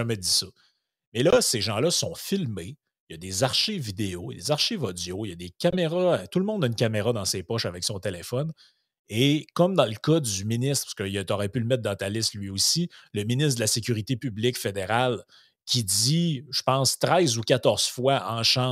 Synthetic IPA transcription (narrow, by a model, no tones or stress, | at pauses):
amɛd̪isʌ | mɛlʌseʒɑ̃lʌsɔ̃filme | jʌd̪ezaʁʃivid̪eoj̰d̪ezaʁʃivɔd͡zjojad̪ekʲameʁʌt̪ulmɔ̃nd̪aynkʲameʁɑd̪ɑ̃seːpɔʃavɛksɔ̃t̪elefɔn | ekʌmd̪ɑ̃ləkʌd͡zyminɪst̪pḁskət̪ɔʁɛpyləmɛt̪̚d̪ɑ̃t̪alɪslɥiosiləminɪs̬t̪d̪əlasekʲyʁit̪epyblɪkfed̪eʁal | kʲid͡ziʒ̥ə̥pɑ̃st̪ʁɛɪzukʲat̪ɔʁz̥fwaɑ̃ʃɑ̃